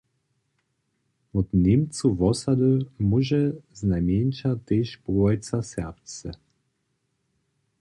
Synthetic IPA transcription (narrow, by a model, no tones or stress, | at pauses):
ɔt̪nʲemt͡suvɔsad̪əmuʒɛznajmjent͡ʃat̪eʃpuajt͡s̪asɛʁpt͡sɛ